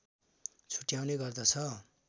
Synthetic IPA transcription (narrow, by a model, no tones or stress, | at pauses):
t͡sʰu̥ʈjawneɡʌrd̪ʌt͡sʰʌ